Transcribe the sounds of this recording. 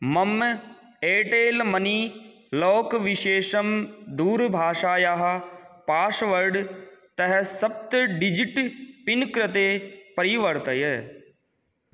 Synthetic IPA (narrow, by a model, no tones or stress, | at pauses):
mɐm | eːʈeːlmɐni | loːkʋiʃeːʃɐmd̪uːɾbʱaːʃaːjaɦpaːʃʋɐɾɖt̪ɐɦɛsɐp̚t̪ɖid͡ʒiʈpinkɾɪt̪eːpɐɾiʋɐɾt̪ɐje